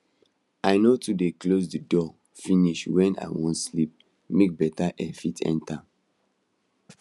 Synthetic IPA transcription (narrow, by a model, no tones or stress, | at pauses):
aɪnotudeklosdidɔ | fĩniʃwɛ̃na̰wɔ̃ntslip̚ | mek̚bɛtaʔɛfitʰɛ̰̃nta